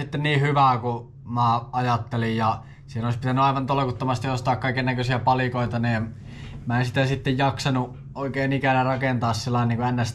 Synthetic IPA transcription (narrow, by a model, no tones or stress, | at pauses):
it̪ːenniːhyʋæːku | mæɑjɑt̪ːelijjɑ | sihenoˑlispit̪ænyɑˑiʋɑnt̪olekut̪ːomɑst̪iost̪ɑːkkɑikennækøsiæpɑlikoˑit̪ɑniːn | mæˑensit̪æsit̪ːejjɑksɑnu | oikeːnikænærɑkent̪ɑːssilːɑˑiniŋkuenːæs